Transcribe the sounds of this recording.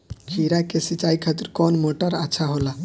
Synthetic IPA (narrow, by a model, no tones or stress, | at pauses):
kʰiɾakesit͡ʃajkʰat̪iɾkɔnmoʈaɾaːt͡ʃʰaɦola